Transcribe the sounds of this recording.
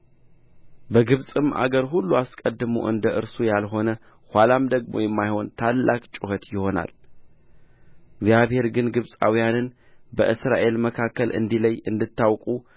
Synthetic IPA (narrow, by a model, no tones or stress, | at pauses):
bəɡɨβsʼɨma̰ɡəɾɦulːuaskʼəd̪ːɨmo̰ʔɨ̰nd̪əʔɨɾsujalɦo̞nə | hʷalamd̪əɡmo̰jɛmːajho̞nt̪ʰalːakʼt͡ʃʼʊhət̪jɪho̞na̰l | ɪɡzjaβhe̞ɾɡɨnɡɨβsʼa̰wijanɨn | bəʔɨsɾaʔe̞lməkʰakːəlɨ̰nd̪iləjːʔɨ̰nd̪ɨt̪ːawkʼu